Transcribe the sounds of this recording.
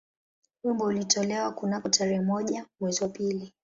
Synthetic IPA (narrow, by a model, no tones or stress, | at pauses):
wimbɔulitʰɔlɛwakunakɔtʰaɾɛhɛmɔʄamwɛziwapili